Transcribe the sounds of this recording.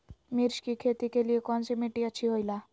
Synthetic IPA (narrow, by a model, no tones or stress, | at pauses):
miɾɕkikʰet̪ikelijekɔnt͡simiʈiət͡ɕʰiɦojla